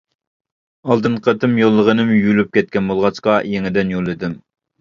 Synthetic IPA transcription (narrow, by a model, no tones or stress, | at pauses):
ɑlˠd̪ɨɴqʰət̪ʰɪmjolˠːəʁənɪmjylyp̚kʲɛt̪̚kʲɛnbolˠʁɑt͡ʃqɑjeŋɪd̪ɪnjolˠːɨd̪ɪm